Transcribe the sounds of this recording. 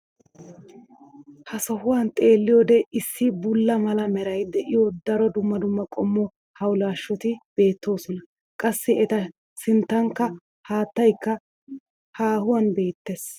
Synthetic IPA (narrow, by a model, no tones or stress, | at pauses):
hɐsɔhʊwɐnt̪ʼe̞ːlːɪjɔd̪ɛɪsːɪbʊlːɐmɐlɐmɛɾɐjd̪ɛʔɪjod̪ɐɾɔd̪ʊmːɐd̪ʊmːɐkʼɔmːɔ | hɐwlaːʃːɔt̪ɪb̥e̞ːt̪ʰːo̞ːsɔnɐ | kʼɐsːɪɛt̪ɐ | sɪnt̪ːɐŋkːɐ | haːt̪ːɐjkːɐ | haːhʊwɐnbe̞ːt̪ːes